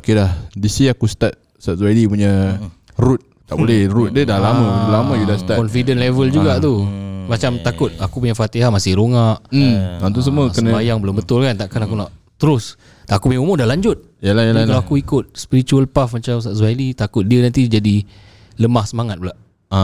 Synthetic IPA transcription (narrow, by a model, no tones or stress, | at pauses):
okelahdisiakusə̥t̪at̪̚ | sat̚zalipuɲa | ɾut̪̚ | t̪aʔbolɛhrut̪̚dədalamə̃uulamə̃judasə̥t̪atkɔnfidənlevəld͡ʒuɡaʔt̪umat͡ʃamt̪akʊt̪̚akup̬uɲafat̪iɦamasɪhɾoŋaʔ̩ãt̪̬us̬əmuəkənə̃ajaŋbəlʊmbət̪ʊlkant̪aʔkanakunaʔt̪əɾʊs | t̪aʔakupuɲaumũdalaɲd͡ʒʊt̪̚jalajalakalaakuikʊt̪̚spiɾit͡ʃuəlpafmat͡ʃams̬aʔsalit̪akʊt̪̚diənant̪id͡ʒadi | ləmahsəmaŋat̪̚bulaʔ | a